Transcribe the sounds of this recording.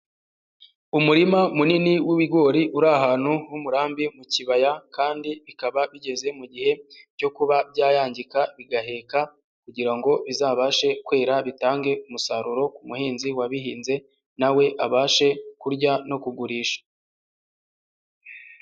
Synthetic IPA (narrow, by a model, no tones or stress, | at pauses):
umuɾimamuniniwiβiɡo̞ɾiʔuɾaɦaːn̥huwumuɾaːmbimuciβajakaːndiβikaβaβiɟe̞ze̞muɟihe̞co̞kuβabjaːjaːɲɟikaβiɡaɦe̞ːka | kuɟiɾaŋɡo̞βizaːβaːʃe̞kwe̞ːɾaβitaːŋɡe̞umusaɾuɾo̞kumuhiːnziwaβiɦiːnze̞ | nawe̞ʔaβaːʃe̞kuɾɟano̞kuɡuɾiːʃḁ